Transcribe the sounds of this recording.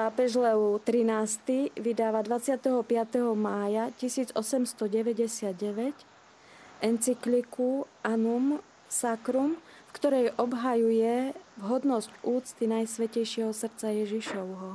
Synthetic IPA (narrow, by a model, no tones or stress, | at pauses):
paːpɛʒlɛut̪ɾinaːst̪iʋid̪aːʋad̪ʋat͡sɪat̪ɛɦɔpɪat̪ɛɦɔmaːjacisiːd͡zɔsɛmst̪ɔɟɛʋɛɟɛsɪad̪̚ɟɛʋɛc | ɛnt͡siklikuʔanum | sakɾum | fkt̪ɔɾɛjʔɔbɦajujɛvɦɔd̪nɔscuːt͡st̪inajsʋɛcɛjʃɪɛɦɔsr̩t͡sajɛʒiʃɔʊɦɔ